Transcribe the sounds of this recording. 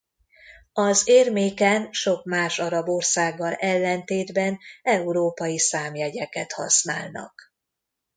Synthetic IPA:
ɒzeːrmeːkɛnʃo̞kmaːʃɒɾɒbo̞rsaːɡːɒlɛlːɛnt̪eːd̪bɛnɛuɾoːpɒjisaːmjɛɟɛkɛt̪hɒ̰snaːlnɒ̰k

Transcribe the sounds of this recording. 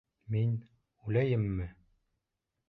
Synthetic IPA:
min | ʉlæjɘmːɘ

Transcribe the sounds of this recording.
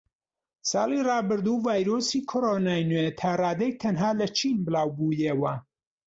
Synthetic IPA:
sɑːlˠirɑːbɨɾd̪uːvaːjɾoːsiːkʰoɾonaːjnwet̪ʰaːrɑːd̪ɐjt̪ʰɐnɦaːlɐt͡ʃʰinbɨlaːwbuːjeːwɐ

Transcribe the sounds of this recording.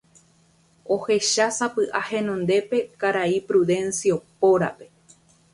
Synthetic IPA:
o̞he̞ʃasapɨʔahẽ̞nõ̞nd̪e̞pe̞kaɾaipɾuðẽ̞nsiopo̞ɾa̰pe̞

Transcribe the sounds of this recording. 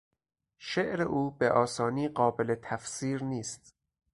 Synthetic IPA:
ʃeʔɾeʔuːbeʔɒːsɒːniːɢɒːbe̞let̪ʰæfsiːɾniːst̪

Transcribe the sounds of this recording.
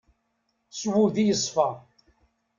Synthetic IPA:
swuðijəsˤfɑ

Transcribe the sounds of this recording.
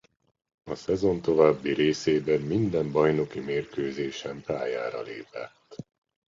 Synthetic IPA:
ɒsɛzo̞nt̪o̞vaːbːiɾeːseːbɛmːind̪ɛmbɒjno̞kimeːrkøːzeːʃɛmpaːjaːɾɒ̰leːpɛ̰t̪ː

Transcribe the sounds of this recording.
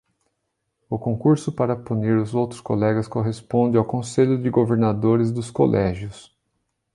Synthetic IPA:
ʊkõkuɾsʊpaɾɐpuniɾʊzowt̪ɾʊ̥skolɛɡɐskoɦespõnd͡ʒɪawkõseʎʊd͡ʒɪɡoveɾnad̪oɾɪzd̪ʊsko̰lʔɛʒjʊs

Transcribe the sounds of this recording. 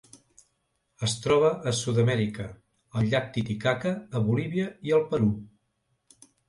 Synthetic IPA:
əst̪ɾɔβ̞əʔːsuðəmɛɾikə | əlʎak̚t̪it̪ikakəːβuliβ̞iəiəlˠpəɾu

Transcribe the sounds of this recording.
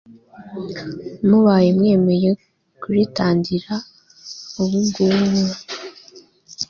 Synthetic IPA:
muβaːjemŋe̞ːme̞je | kuɾitaːndiɾa | uβuɡuumu

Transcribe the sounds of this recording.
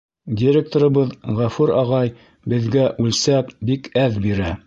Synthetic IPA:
dʲɪɾʲek̚t̪oɾɤ̆βɤðʁæfʉɾɑʁɑj | bɘ̆ðɡæʔʉlsæpbikæðbiɾæ

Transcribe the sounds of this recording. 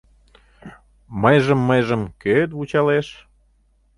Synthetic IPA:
məjʒəmːəjʒəmkøt̪vut͡ɕɑleʃ

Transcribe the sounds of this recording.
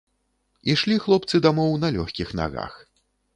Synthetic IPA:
iʂlʲixlˠɔp̚t̪sɨd̪amɔwnɐlʲɔxʲkʲixna̰ɣa̰x

